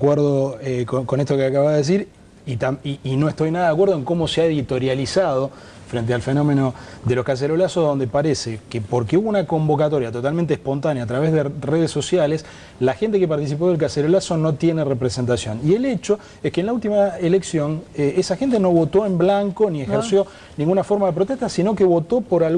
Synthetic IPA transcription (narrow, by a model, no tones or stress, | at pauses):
akweɾðokoko̞net̪okeakaβaðees̬iɾ | it̪amiino̞eht̪o̞jnaðaðakweɾðoeŋko̞mo̞seaeðit̪o̞ɾjalisaðo̞ | fɾent̪̬ealfeno̞menod̪elo̞hkas̬eɾolasoðo̞nd̪epaɾesekepoɾkeuβounako̞mbo̞kat̪o̞ɾjat̪o̞t̪almẽnt̪ehpo̞nt̪anjaːt̪ɾaβezðereð̞esːo̞sjales | laxent̪e̞kepaɾt̪is̬ip̬oðelk̬aseɾolaso̞no̞t̪je̞nerepɾese̞nt̪asjo̞nielet͡ʃo̞ | ehkeːnlault̪imaeleksjo̞neesaxe̞nt̪eno̞βo̞t̪o̞emblaŋkoniexeɾsjo̞ | nĩŋɡunafo̞ɾmaðep̬ɾot̪eht̪asino̞keβo̞t̪opoɾal